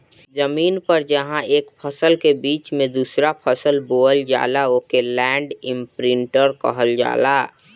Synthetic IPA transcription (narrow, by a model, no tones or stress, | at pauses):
zəmiːnpəɾd͡ʒəɦãeːkpʰəsəlkebiːt͡ʃmẽd̪uːsɾapʰəsəlboːəld͡ʒa̰ːlaoːkelɛːɳɖɪ̃mpɾɪ̃ɳʈəɾkə̰ɦəld͡ʒa̰ːlaː